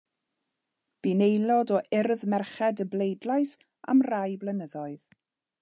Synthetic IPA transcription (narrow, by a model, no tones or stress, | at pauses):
b̥inejlˠɔdɔʔɪrðmɛrχɛdəblejdlajs | a̰mrajblənəðɔɨð